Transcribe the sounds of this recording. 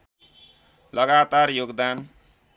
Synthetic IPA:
lʌɡat̪arjoɡd̪an

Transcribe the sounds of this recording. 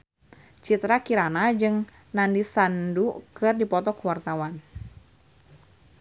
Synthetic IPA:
t͡ʃit̪ɾakiɾanad͡ʒɨŋ | nandisandukɨrdipɔt̪ɔkuwart̪awan

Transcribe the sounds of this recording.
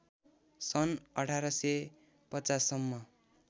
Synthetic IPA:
sʌnʌʈʰaɾʌsʌ | pʌt͡sasːʌmːʌ

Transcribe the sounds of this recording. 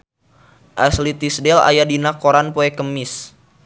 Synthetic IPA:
ʔaslit̪isdɛla̰jadinakoɾanpoekəmɪs

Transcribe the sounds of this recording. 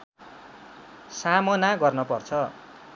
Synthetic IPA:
samonaɡʌrnʌpʌrt͡sʰʌ

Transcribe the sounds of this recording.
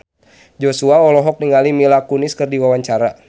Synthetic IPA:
d͡ʒɔsuaɔlɔɦɔk̚niŋalimilakuniskɨrdiwawaɲt͡ʃaɾa

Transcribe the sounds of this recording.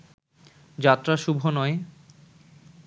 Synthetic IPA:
d͡ʑat̪ːɾaʃubʱonɔe

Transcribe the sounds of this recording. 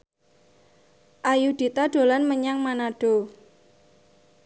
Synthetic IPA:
ʔajud̪̥it̪aɖ̥o̤lanməɲaŋmanaɖ̥o̤

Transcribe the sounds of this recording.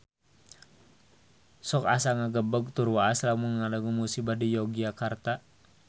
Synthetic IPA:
sɔka̰saŋaɡəbəɡ̚t̪urwaːslamunŋalaɡumusibadijɔɡiakart̪a

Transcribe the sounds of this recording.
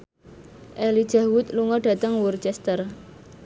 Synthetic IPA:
ʔɛli̥d͡ʒ̥ä̤wʊt̪luŋɔɖ̥ä̤t̪əŋwurt͡ʃɛst̪ər

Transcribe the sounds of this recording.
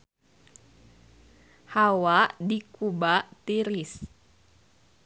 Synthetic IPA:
hawaʔdikubat̪iɾis

